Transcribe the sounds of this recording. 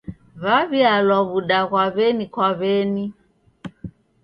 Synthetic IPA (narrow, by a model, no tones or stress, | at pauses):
βaβialwaβuɗaɣwaβɛnikwaβɛni